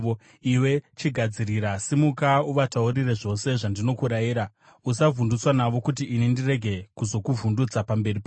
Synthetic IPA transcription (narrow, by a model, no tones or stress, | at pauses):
o | iwe̞t͡ʃiɡʱad͡ziɾiɾasimukauʋataurire̞ʐo̞se̞ʐandino̞kuɾajiːɾa | usavʱundut͡swanaʋo̞kut̬iʔːnindire̞ɡʱe̞kuzo̞kuvundut͡sapambe̞rip